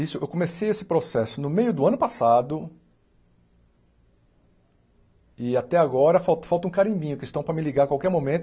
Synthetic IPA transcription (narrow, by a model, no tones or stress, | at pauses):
isʊewkõmesejesɪ̥pɾosɛsʊnʊmejʊd̪ʊɐ̃nʊpasad̪ʊ | ɪat̪ɛaɡɔɾɐfawt̪ɐ̥fawt̪ɐũkaɾĩbĩɲʊkɪst̪ɐ̃w̃pɾɐmɪliɡaɾkwawkɛɾmõmẽt̪